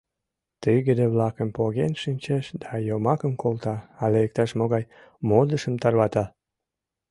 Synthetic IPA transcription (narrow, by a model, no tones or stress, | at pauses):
t̪iɣed̪eβlɑkəmpoɣenʃinʲt͡ɕeʃd̪ɑjomɑkəmkʰolt̪ɑɑleek̚t̪ɑʃmoɣɑj | mod̪əʃəmt̪ɑrβɑt̪ɑ